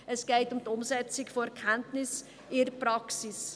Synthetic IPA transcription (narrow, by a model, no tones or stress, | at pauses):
ɛsɡ̥eɪtʊmtʊmsɛt͡sɪɡfoɛɾkʰɛntnɪs | ɪprɑksɪs